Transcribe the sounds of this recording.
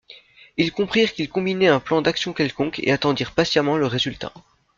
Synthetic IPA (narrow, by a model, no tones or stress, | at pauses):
ilkɔ̃pχiʁkʲilkɔ̃binɛɛ̃plɑ̃d̪aksjɔ̃kʲɛlkɔ̃kḛat̪ɑ̃d̪iʁpasjamɑ̃ləʁezylt̪a̰